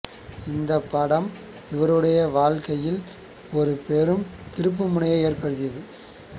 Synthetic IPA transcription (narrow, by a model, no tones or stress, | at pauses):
ɪnd̪ɐpːɐɽɐm | ɪʋɐɾɯɽɐjɐʋaːɻkɐjɪl | ɔɾɯpɛɾɯmt̪ɪɾɯp̬ːɯmʊɳɐjɐeːrpɐɽɯðɪjɐðɯ